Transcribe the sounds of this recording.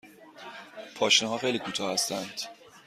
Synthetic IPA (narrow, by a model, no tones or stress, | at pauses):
pʰɒːʃneɦɒːxejliːkʰuːt̪ʰɒːhæst̪ænd̪̥